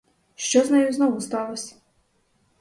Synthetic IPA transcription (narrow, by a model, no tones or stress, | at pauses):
ʃt͡ʃɔznɐjuznɔʋʊst̪ɑlˠɔsʲɐ̥